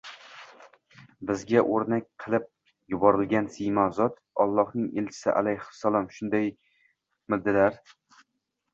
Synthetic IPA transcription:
bɪzɡʲaʔoɾnak̚ʲqʰɨlˠɪp̚ | jʊbɒɾɪlɡʲansimazɒt̪ | ɒlˠːɒhnɪŋelt͡ʃʰɪ̥sɪ̰ʔa̰lajhʊ̥sːalˠɒmʃʊnd̪aj | mɪd̪ːɪlaɾ

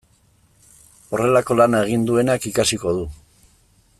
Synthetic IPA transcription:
o̞re̞lako̞lanae̞ɣ̞ind̪ue̞nakikasiko̞ðu

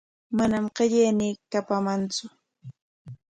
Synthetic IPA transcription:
manamqeʎejniːkapamant͡sʊ

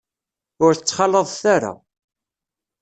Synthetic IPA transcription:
ʊɾθət͡sːχɑləðˤθaɾa̰

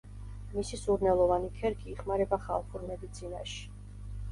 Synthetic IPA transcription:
misisuɾnɛlˠɔvanikʰɛɾkʰiːχmaɾɛbaχalˠχʰuɾmɛd̪it̪sʰina̰ʃi̥

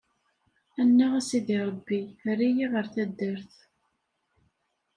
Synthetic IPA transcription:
ænːæʁsiðiɾˤəbːiɾijiʁəɾθæd̪ːəɾθ

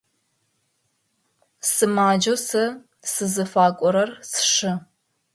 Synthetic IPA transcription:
sɨmaːd͡ʒɐsɐ | sɨzɨfaːkʷʼɔɾɐrsʂɨ

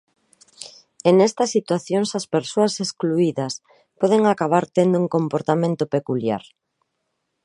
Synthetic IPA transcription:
enɛst̪ɐsːit̪waθjoŋsɐspeɾsoaseskluiðɐs | pɔð̞eŋakaβ̞aɾt̪end̪ʊuŋkompoɾt̪amẽnt̪opekulja̰ɾ

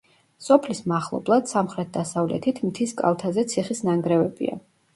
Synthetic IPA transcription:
sɔpʰlismaχlˠɔ̰blˠad̪̥samχɾɛt̪̚d̪asavlɛ̰t̪ʰit̪ʰmt̪ʰiskʼa̰lˠt̪ʰazɛt̪sʰiχisnaŋɡɾɛvɛbḭa̰

